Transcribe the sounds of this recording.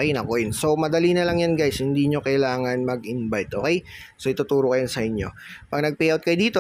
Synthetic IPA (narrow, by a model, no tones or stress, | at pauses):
kɛjnɐkoʔɪnso̞mɐd̪ɐlinɐlɐŋjanɡajshɪnd̪iːɲo̞kɐjlaːŋɐnmɐɡɪnbajt̪̚ʔoːkɛj | soʔɪt̪ʊt̪uːɾokɐjonsɐʔɪɲːo̞̰pɐɡ̚nɐɡ̚pɛjɐwt̪kɐjod̪iːt̪o